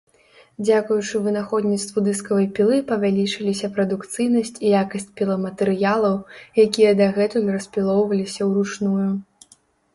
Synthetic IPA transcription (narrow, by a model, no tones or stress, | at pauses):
d͡zʲakujut͡ʂɨvɨnaxɔd̪nʲit̪st̪vud̪ɨskɐvɐjpʲilˠɨpɐvʲalʲit͡ʂɨlʲisʲɐpɾɐd̪ukt̪sɨjnɐsʲt͡sʲijakɐsʲt͡sʲpʲilˠɐmɐt̪ɛɾɨjalˠɐwjakʲijɐd̪ɐɣɛt̪ujrɐsʲpʲilˠɔwvɐlʲisʲɐwɾut͡ʂnuju